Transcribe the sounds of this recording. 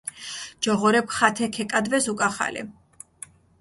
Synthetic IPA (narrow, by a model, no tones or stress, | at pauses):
d͡ʒɔʁɔɾɛpʰχat̪ʰɛkʰɛkʼad̪vɛsukʼaχa̰lḭ